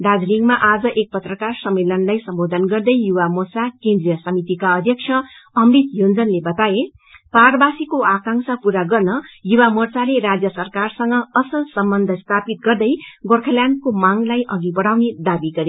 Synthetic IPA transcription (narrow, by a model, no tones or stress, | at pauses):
d̪ad͡zliŋɡmaʔad͡zʌʔek̚pʌt̪rʌkarsʌmːelʌnlajsʌmbod̪ʱʌnɡʌrd̪ʌjjuwamort͡sakend̪rijʌsʌmit̪ikaʌd̪ʱjʌk̚t͡sʰʌʌmbit̪jond͡zʌnlebʌt̪aje | parbasikoakãŋsapuɾaɡʌrnʌjuwamort͡saleɾad͡zjʌsʌrkarsʌŋɡʌːsʌlsʌmbʌnd̪ʱʌst̪ʰapit̪̚ɡʌrd̪ʌjɡorkʰʌljankomaŋlajʔʌɡibʌɽ̤awned̪abiɡʌɾe